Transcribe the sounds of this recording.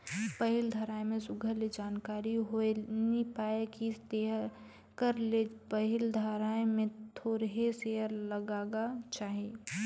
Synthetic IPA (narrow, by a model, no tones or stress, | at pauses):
pəɦɪld̪ʱəɾaːemẽsʊɡʱəled͡ʒaːnkaːɾiɦoenipaːekist̪e | kəɾlepəɦɪld̪ʱaɾaːemẽt̪ʰoːɾɦeseəɾləɡaːɡat͡ʃaːɦie